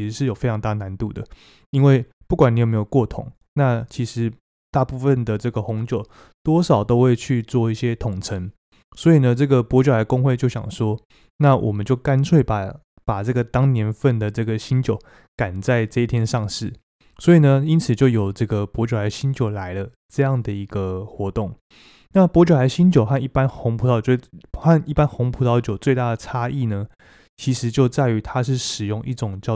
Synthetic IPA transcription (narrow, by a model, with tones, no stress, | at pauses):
i˧˥ʂɻ̩˧˥ʂɻ̩˥˩jo˨˩fe˥ɪɑ˧ŋt̪a˥˩na˧˦nt̪u˥˩d̪ə˩ | i˥nwe˥˩ɪ | pu˥˩kwa˨˩ni˨˥jme˧˥jo˨˩kwɔ˥˩t̪ʰʊ̰˨˩˦ŋ | na˥˩t͡ɕʰi˧˥ʂɻ̩˧˥ | t̪a˥˧pu˥˩fə˥˨nd̪ə˩ʈ͡ʂɤ˥˩ɡə˩xʊ˧˥ŋt͡ɕjo˨˩ʊ | t̪wɔ˥ʂɑ˨˩ʊt̪o˥ʊxwe˥˧ɪt͡ɕʰy˥˧t͡swɔ˥˧i˥˩ɕjɛ˥t̪ʰʊ˨˩ŋʈ͡ʂʰə˧˥ŋ | swɔ˧˥i˨˩nə˦ʈ͡ʂɤ˥˩ɡə˩pwɔ˧˥t͡ɕja˧˥ɪkʊ˥ŋxwe˥˧ɪt͡ɕjo˥˩ʊɕjɑ̰˨˩ŋʂwɔ˥ | na˥˩wʔɔ̰˨˩mə˦nt͡ɕjo˥˩ʊka˦nt͡sʰwe˥˩ɪpa˨˩ | pa˨˩ʈ͡ʂɤ˥˩ɡə˩t̪ɑ˥ŋnjɛ˧˥nfə˥˩nd̪ə˩ʈ͡ʂɤ˥˩ɡə˩ɕi˦˥nt͡ɕjo˨˩ʊ | ka˨˩nt͡sa˥˩˧ɪʈ͡ʂɤ˥˧i˥˩t̪ʰjɛ˥nʂɑ˥˧ŋʂɻ̩˥˩ | swɔ˧˥i˨˩nə˦i˥nt͡s̩ʰ˨˩t͡ɕjo˥˩ʊjo˨˩ʊʈ͡ʂɤ˥˩ɡə˨˩pwɔ˧˥t͡ɕjo˨˩la˧˥ɪɕi˥nt͡ɕjo˨˩ʊla˧˥ɪlə˧ | ʈ͡ʂɤ˥˧jɑ˥˩ŋd̪ə˩i˧˥ɡə˧xwɔ˧˥t̪ʊ˥˩ŋ | na˥˩pwɔ˧˥t͡ɕjo˨˩la˧˥ɪɕi˥nt͡ɕjo˨ʊxa˥˧ni˥˩pa˦nxʊ˧˥ŋpʰu˧˥t̪ʰɑ˥˨ʊt͡ɕxa˥˩ni˥˩pa˥˦nxʊ˧˥ŋpʰu˧˥t̪ɑ˥˩ʊt͡ɕjo˨˩ʊt͡swe˥˧ɪt̪a˥˩d̪ə˩ʈ͡ʂʰa˥ʔi˥˩nə˩ | t͡ɕʰi˧˥ʂɻ̩˧˥t͡ɕjo˥˧ʊt͡sa˥˩ɪy˧˥t̪ʰa˦ʂɻ̩˥˩ʂɻ̩˨˩jʊ˥˧ŋʔḭ˥˩ʈ͡ʂʊ˨˩ŋt͡ɕjɑ˥˧ʊ